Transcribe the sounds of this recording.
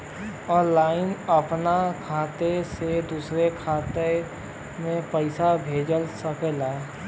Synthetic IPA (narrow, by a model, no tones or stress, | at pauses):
ɔːnlaːɪnəpnakʰaːt̪esed̪uːsɾekʰaːt̪e | mẽpəɪsabʱeːd͡ʒəlsəkelaːe